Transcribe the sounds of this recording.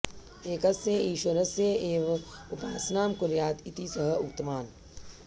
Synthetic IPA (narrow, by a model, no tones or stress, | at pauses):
eːkɐseiːʃwɐɾɐsjeeːʋʊpaːsnaːmkʊɾjaːt̪it̪isɐɦɐʊk̚t̪maːn